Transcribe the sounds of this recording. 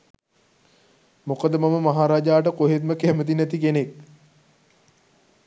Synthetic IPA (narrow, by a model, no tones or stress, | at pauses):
mokəd̪ːəmaməmaɦaːɾaːd͡ʒaːʈ̬əkoɦet̪̚məkæmət̪̬inæt̪ikenek̚